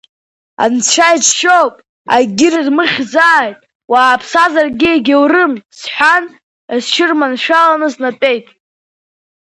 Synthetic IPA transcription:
a̰nt͡sʷʰajt͡ʃʃowpʼ | a̰ɡʲɪrɨrmɨχʲzaːjtʼ | waːpʰsazarɡʲɪeɡʲɪwrɨmsħʷan | azʃʰɪrmanʃᶣalanɨznatʼe̞jtʼ

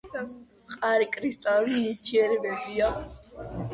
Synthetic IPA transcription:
qʼaɾikʼɾist̪ʼaliiɾt̪ʰiɛɾɛbɛbia

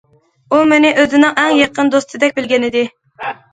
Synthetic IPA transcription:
umɪnɪʔøzɪnɪŋɛŋjɑqʰənd̪ost̪ʰɨd̪ɛk̚ʲbɪlɡʲɛnɪd̪ɪ

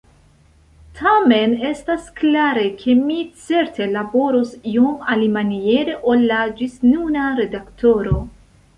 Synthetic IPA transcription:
tʰame̞ne̞stasklaɾe̞kʰe̞mit͡se̞ɾtʰe̞labo̞ɾosiomalimanie̞ɾe̞ʔo̞lːad͡ʒisnunaɾe̞daktʰo̞ɾo̞

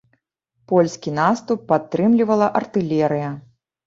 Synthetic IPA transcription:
pɔlʲsʲkʲinast̪upːat̪ːɾɨmlʲivɐlˠɐʔɐrt̪ɨlʲɛɾɨjɐ

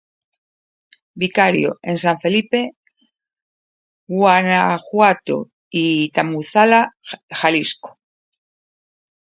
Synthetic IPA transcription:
bikaɾjo̰e̞nsaɱfe̞lipe̞ | ɣwanaxwat̪o̰ | it̪amuθalaxalisko̥

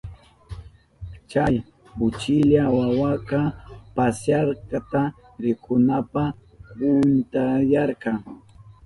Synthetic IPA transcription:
t͡ʃaj | ʊt͡ʃɪʎawawakɑpasjaɾkɑt̪a | ɾɪkʊnapa | kʊnt̪ajaɾkɑŋ

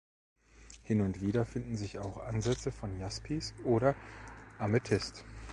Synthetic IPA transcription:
hɪnʊntv̥iːdɐfɪndn̩zɪçaʊxʔanzɛt͡səfɔnjaspʰisʔoːɾɐʔamətʰɪst

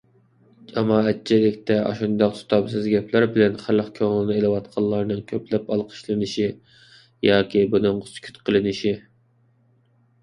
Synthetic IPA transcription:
d͡ʒɑmɑːɛt̪̚t͡ʃʰilɪkʲt̪ɛɑ̰ʃund̪ɑqsʰu̥t̪ʰɑbsɨzɡʲɛpʰlæɾbɪlɛnχæləqkʲʰøŋlˠɨnɨelˠɨwɑt̪qʰɑlˠːɑɾnɨŋkʲʰøplɛpɑlˠqʰə̥ʃlˠɨnɨʃi | jɑːkʲibunɨŋʊskʲʰy̥t̪qʰəlˠɨnɨʃi

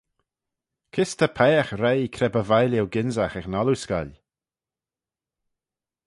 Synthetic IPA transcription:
kʰɪst̪ʰəpʰɛːxɾejikʰɾɛbəvajlɛwɡɪnzaxɛxnaluska̰lʲ

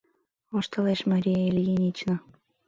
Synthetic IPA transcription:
oʃt̪ɑleʃmɑɾʲijeelʲjinʲit͡ɕno

